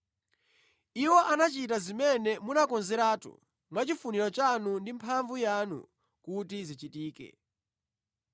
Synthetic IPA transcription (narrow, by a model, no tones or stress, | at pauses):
iwɔʔanat͡ʃitazimɛnɛmunakɔnzɛɾaːtṵ | mwat͡ʃifuniɾɔt͡ʃanundimpʰaɱvujanṵ | kutizit͡ʃitiːkɛ̰